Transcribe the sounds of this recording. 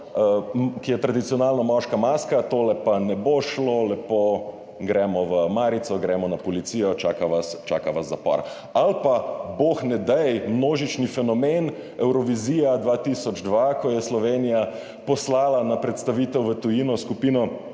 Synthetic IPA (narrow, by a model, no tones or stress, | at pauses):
əkijɛt̪ɾad̪it̪sijɔnaːlnɔmɔʃkamaskat̪olɛpanɛboʃlolɛpo | ɡɾɛːmɔʋəmaːɾit̪sɔɡɾɛmɔnapɔlit̪sijɔt͡ʃaːkaʋast͡ʃaːkaʋazːapɔ̰ɾ | alpaboxnɛd̪ɛjmnoːʒit͡ʃnifɛnɔmen | ɛwɾɔʋiziːjad̪ʋat̪isɔd͡ʒd̪ʋakɔjɛslɔʋenija | pɔslaːlanapɾɛt̪st̪aʋiːt̪ɛwʋət̪ujinɔskupiːnɔ